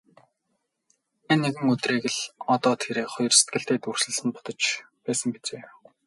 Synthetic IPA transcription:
enːeɣɘ̆ŋɵt̪reːɣɘ̆ɮɔt̪ɔːt̪ʰeɾeːχɔjɞ̆rse̥t̪ɡɘ̆ɬt̪eːt̪ur̥sɵ̆ɮsə̆npʊ̥t̪ɞ̆t͡ɕ | pæːsə̆ŋɡet͡seː

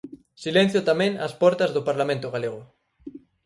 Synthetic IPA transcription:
silen̟θjʊt̪amẽŋɐ̰spɔɾt̪ɐzðʊpaɾlamẽnt̪ʊɣaleɣʊ

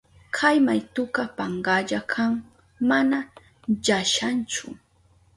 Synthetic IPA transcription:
kʰajmajt̪ʊkapaɴɢaʎakʰaŋ | mana | ʎaʃant͡ʃʊ

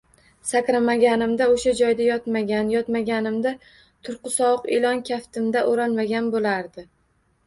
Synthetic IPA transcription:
sakʲɾamaɡʲanɪmd̪aoʃad͡ʒɒjd̪ajɒt̪maɡʲanjɒt̪maɡʲanɪmd̪a | t̪ʰʊɾqɨsɒwɨqḛlˠɒnkʲʰaft̪ʰɪmd̪aʔoɾanmaɡʲanbolaɾd̪ɪ

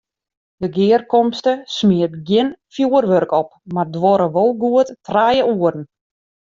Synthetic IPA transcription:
dəɡɪːərkɔmstəsmɪətɡjɪnfjuərʋørkɔp̚mardʋɔɾəʋolˠɡuəttrajəuərn̩

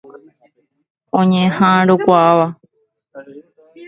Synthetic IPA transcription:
õɲẽhãɾokʷaaʋa

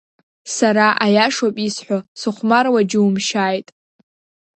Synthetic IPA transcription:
saɾaʔajaʂapʼisħʷᶣosɨχʷmarwad͡ʒɪumʃaːjtʼ

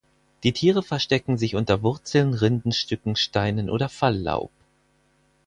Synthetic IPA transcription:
d̥iːtʰiːʁ̞əfɛɐʃtɛkŋ̩zɪçʔʊntɐvʊɐt͡sl̩nʁɪndn̩ʃtʏkŋ̩ʃtaɪnənʔo̰ːdɐfalːa̰ʊp̚

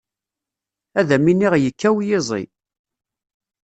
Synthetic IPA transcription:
æðæminːiʁjəkːæwjɪzˤḭ

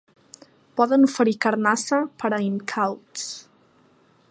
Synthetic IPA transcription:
pɔðənufəɾikəɾnasəpəɾəimkʰawts

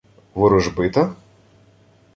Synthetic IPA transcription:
ʋʊɾʊʒbɪt̪ɐ

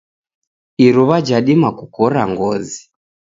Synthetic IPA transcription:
iɾuβad͡ʒaɗimakukɔɾa̰ŋɡɔzi

